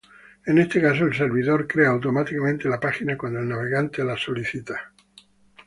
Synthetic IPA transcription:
e̞ne̞st̪ekasoelse̞ɾβiðo̞ɾkɾeaːwt̪o̞mat̪ikamẽnt̪e̞lapaxinakwand̪oelnaβ̞e̞ɣant̪e̞laso̞liθit̪ḁ

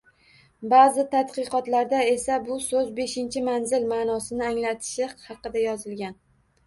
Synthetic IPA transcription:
bazɪt̪ʰat̪qɨqɒt̪laɾd̪ae̞sabʊsɵzbe̞ʃɪnt͡ʃʰɪmanzɪlmaːnɒsɪnɪaŋlat̪ʰɪ̥ʃɪhɑqɨd̪ajɒzɪlɡʲan

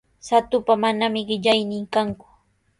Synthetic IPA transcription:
sat̪ʊpamanamɪɢɪʎajnɪŋkaŋkʊ̥

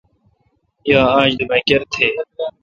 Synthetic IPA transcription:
jaːãːd͡ʑd̪imɐkɐɾt̪ʰeː

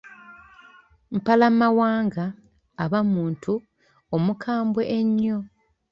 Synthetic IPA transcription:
m̩palamawaːŋɡaː | βamuːntʰu | omukʰaːmbwe̞ʔeɲːo̞

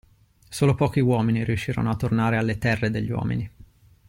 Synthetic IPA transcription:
soːlopɔːk̟iwɔːminiɾijuʃːiːɾo̰noat̪ːornaːɾealːet̪ɛrːed̪eʎːiwɔ̰ːmḭni

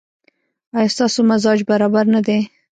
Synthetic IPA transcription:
ɑjɑst̪ɑsomazɑd͡ʒbaɾɑbaɾnad̪e

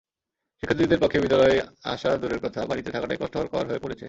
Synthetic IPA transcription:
ʃikʰːad̪d̪id̪eɾpokʰːebid̪ːalɔea̰ʃad̪uɾeɾkɔt̪ʰabanit̪et̪ʰakaʈajkɔʃʈoaɾkɔa̰ɾɦoepoɾet͡ɕʰḛ

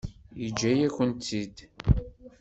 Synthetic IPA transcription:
id͡ʒːæjæçʷənt̪ːid̪

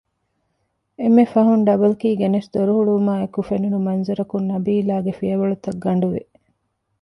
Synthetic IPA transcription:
emːefɐɦunɖɐbɐlkiːɡenesd̪oɾuɦuɭumaːekufenunumɐnzɐɾɐkunːɐbiːlaːɡefijɐʋɐɭut̪ɐɡːɐɳɖuʋḛ

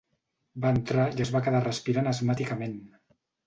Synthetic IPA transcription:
baənt̪ɾaiəzβakəðarəspiɾanəzmat̪ikəmen

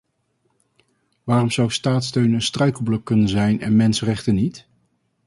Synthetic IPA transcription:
ʋaːrɔmzʌwstaːtstøɥnənstrœɥklˠbləkːɵnənzɛjnɛ̰nmɛnsərɛχtənit

